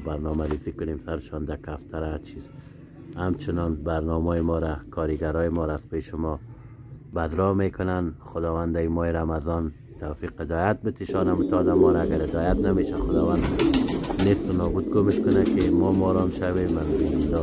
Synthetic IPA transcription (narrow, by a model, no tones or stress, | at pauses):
baɾnɔmaɾizikʊnemsaɾɪʃɔnd̪akaft̪ʰaɾat͡ʃʰiz | hamt͡ʃɪnɔnbaɾnɔmɔjɪmɔɾakʰɔɾiɡaɾɔjɪmɔɾaːz̥peʃɪmɔ | bad̪ɾɔmekʊnanxʊd̪ɔwand̪aimɔiɾamazɔn | t̪awfiqɪd̪ɔjat̪̚bɪt̪iʃɔnamut̪ɔd̪amɔɾaːɡaɾɪd̪ɔjat̪nameʃaxʊd̪ɔwand̪ | nest̪ʊnɔbud̪̚ɡomɪʃkʊnakɪmɔmɔɾɔmʃawemanilɔ